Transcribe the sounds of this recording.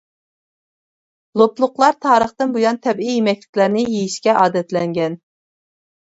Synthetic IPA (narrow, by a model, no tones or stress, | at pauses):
lˠoplˠʊqlˠɑɾt̪ʰɑːɾəχt̪ɨnbujɑnt̪ʰɛbijjemɛkʲlɪ̥kʲlæɾnɪjejiʃkʲɛʔɑːd̪ɛt̪lɛŋɡʲɛn